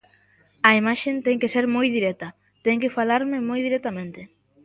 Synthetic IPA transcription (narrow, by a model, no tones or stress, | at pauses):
ɐimaʃent̪ɛŋkeseɾmojðiɾet̪a | t̪eŋkefalaɾmemojðiɾet̪amẽnt̪e